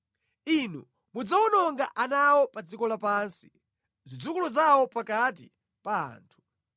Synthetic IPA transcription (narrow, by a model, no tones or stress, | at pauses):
inṵ | mud͡zawɔnɔŋɡaʔanawɔpad͡zikɔlapansi | zid͡zukulɔzawɔpakat̬ḭ | paa̰ːntʰu̥